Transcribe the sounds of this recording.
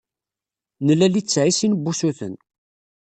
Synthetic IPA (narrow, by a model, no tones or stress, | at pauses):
nəlːælit͡sːʕisinbːusuθə̰n